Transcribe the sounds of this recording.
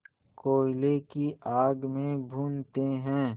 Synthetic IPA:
koːɪlekiʔaːɡmẽbʱuːnt̪eɦɛ̃ː

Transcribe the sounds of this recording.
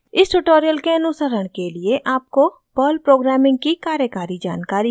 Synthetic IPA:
ɪsʈʊʈoːɾijəlkeɐnusəɾəɽ̃kelieʔaːp̚ko | pɔːlpɾoːɡɾɛːmɪ̃ŋɡ̚kikaːɾjəkaːɾid͡ʒa̰ːnkaːɾi

